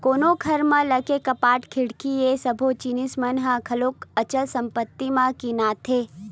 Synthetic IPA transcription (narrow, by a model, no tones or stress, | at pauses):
koːnokʰɐɾmə̃ləkekɐpaːʈkʰɪɽkiesəbʱot͡ʃinismənɦãkʰɐloːkət͡ʃəlsɐ̃mpət̪ːimãkinaːt̪ʰeː